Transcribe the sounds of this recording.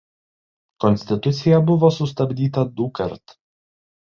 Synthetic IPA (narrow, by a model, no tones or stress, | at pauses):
kɔnʲsʲt̪ʲɪt̪ʊt̪sʲɪjɛbʊʋoːsʊst̪ɐbʲd̪ʲiːt̪ɐd̪ʊkɐɾt̪